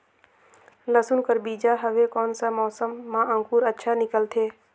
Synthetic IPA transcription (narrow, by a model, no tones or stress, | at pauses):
ləsunkəɾbiːd͡ʒaɦəʋekɔːnsamɔːsəmːãʔə̃ŋkuːɾətːʃʰanɪkəlt̪ʰeː